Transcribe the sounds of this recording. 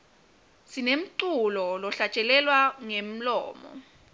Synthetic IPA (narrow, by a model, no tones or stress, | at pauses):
sinem̩ǀulɔlɔɬat͡ʃʼɛlɛlwaŋem̩lɔ̰ːmɔ̰